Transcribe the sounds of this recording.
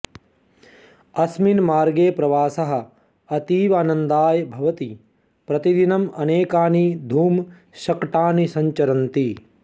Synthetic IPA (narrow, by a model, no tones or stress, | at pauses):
ɐsminmaːɾɡeːpɾɐʋaːsɐɦɐ̆ | ɐt̪iːʋaːnɐnd̪aːjɐbʱɐʋɐt̪i | pɾɐt̪id̪inɐmɐneːkaːnid̪ʱuːm | ʃɐkʈaːnisɐɲt͡ʃɐɾɐnt̪i